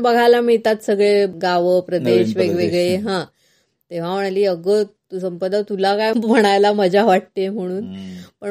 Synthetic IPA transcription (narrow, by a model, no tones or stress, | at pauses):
bəɡʱajlamiɭt̪at̪səɡɭeɡaʋəpɾəd̪eɕʋeɡʋeɡɭeɦã | t̪eʋ̤am̤əɽ̃aliːəɡə | səmpəd̪at̪ulakajm̤əɽ̃ajlaməd͡ʑʱaʋaʈ̚t̪em̤əɽ̃uːnpə